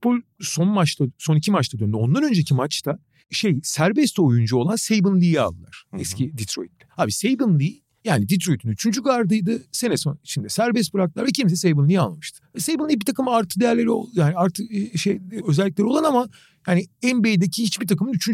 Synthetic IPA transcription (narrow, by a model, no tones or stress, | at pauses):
polʲso̞nmat͡ʃt̪ˠaso̞nicʰimat͡ʃlad̪ønd̪yo̞nd̪anø̞nd͡ʒecʰimat͡ʃt̪ʰa | ʃejsæɾbɛst̪ʰo̞jund͡ʒuo̞lˠansejbɯnlʲˠija̰lˠːa̰ɾ̥ɛscʰid̪it̪ʰɾo̞̰jit̪ːɛ̥haːbisejbɯnlˠij | jaːnid̪it̪ɾo̞jit̪ʰynyt͡ʃʰynd͡ʒyɡaɾd̪ɯjd̪ɯse̞nɛsoit͡ʃʰind̪ɛsæɾbɛst̪bɯɾaklˠaɾvɛcʰims̬ɛsejbɯnlˠijialˠmɯʃt̪ʰɯ̥sejbɯnˠijbit̪ʰakɯmaɾt̪ʰɯd̪e̞jæɾlʲe̞ɾio̰jaːniaɾt̪ʰɯkʃejøzɛlʲːiclʲeɾio̞lˠanama | jaːniɛnbejd̪ecʰihit͡ʃbit̪ʰakɯmɯnyt͡ʃʰyn